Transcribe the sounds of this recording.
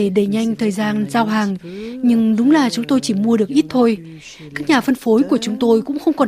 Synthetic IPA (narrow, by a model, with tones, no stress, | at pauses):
e˧˩ɗe˧˩ɲa˧jŋ̟t̪ʰəː˨˩jzaː˧nzaː˧wɦaː˨˩ŋɲɨ˧ŋɗʊ˨˦ŋ͡mlaː˨˩t͡ɕʊ˨˦ŋ͡mt̪o˧jt͡ɕi˧˩mu˧əɗɨ˨˩ək̚ʔi˦˥t̚t̪ʰo˧j | kaː˦˥k̚ɲaː˨˩fə˧nfo˨˦jku˧˩ət͡ɕʊ˨˦ŋ͡mt̪o˧jkʊ̰˧˥ŋ͡mxə˧wŋ͡mkɔ˨˩